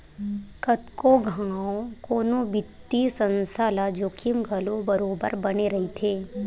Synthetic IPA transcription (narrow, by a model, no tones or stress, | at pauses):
kɐt̪koɡʱaaokoːnõbɪt̪ːisə̃nsaːlad͡ʒoːkʰɪmɡʱɐlobɐɾoːbə̰ɾbɐneɾɐɦit̪ʰeː